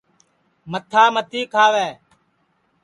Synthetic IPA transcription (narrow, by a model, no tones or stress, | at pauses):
mət̪ʰaːmət̪iːkʰaːʋɛː